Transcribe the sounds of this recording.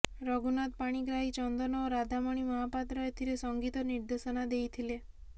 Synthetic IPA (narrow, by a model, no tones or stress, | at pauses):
ɾɔɡunat̪paɽ̃iɡɾaɦit͡ʃɔnd̪ɔnɔːɾad̪ʱamɔɽ̃imɔɦapat̪ɾɔet̪ʰiɾesɔŋɡit̪ɔniɾd̪esɔnad̪ejt̪ʰile